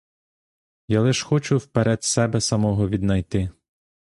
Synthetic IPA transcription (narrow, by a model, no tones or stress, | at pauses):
jalˠɪʃxɔt͡ʃʊwpeɾɛd̪sɛbɛsɐmɔɦɔʋʲid̪nɐjt̪ɪ